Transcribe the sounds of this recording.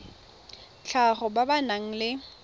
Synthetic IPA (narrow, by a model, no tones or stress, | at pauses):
t͡ɬʰaχɔbabanaŋ̩lɪ